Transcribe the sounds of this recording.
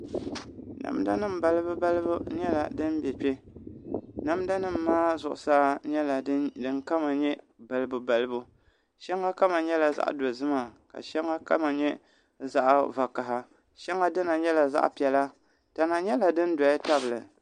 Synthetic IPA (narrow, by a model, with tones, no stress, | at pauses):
na̰˨m˦da̰˦nɨ˦m̩˨ba˦lɨ˦bɨ˦ba˦lɨ˦bu˦ɲɛ˦la̰˨dɨ˦n˦bɛ˨pʲɛ˦ | na˨mda˦nɨ˦m̩ː˨aː˦zʊ˨ʔʊ̰˨saː˦ɲɛ˦la˨dɨ˦ŋka˦ma˨ɲɛ˦ | ba˨lɨ˦bu˨ba˨lɨ˦bu˦ | ʃɛ˦ŋːa˦ka˦ma˨ɲɛ˦la˨za̰˦ʔdo˨zɨ˦ma˨ka̰˨ʃɛ˦ŋːa˦ka̰˦ma˨ɲɛ˦ | za˦ʔva˨ka˨ɦa˨ | ʃɛ˦ŋa˦dɨ˦na˨ɲɛ˦la˨za̰˦ʔpi˨ɛ˨la˦ | ta˨na˨ɲɛ˦la˨dɨ˦n˦dɔ˨ɪ˦ta˦bɨ˨lɨ̰˨